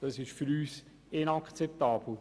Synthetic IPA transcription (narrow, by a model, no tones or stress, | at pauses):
d̥ɑsɪʃfyɾyːs | ɪnɑkt͡sɛp̚t̪ɑːb̥l̩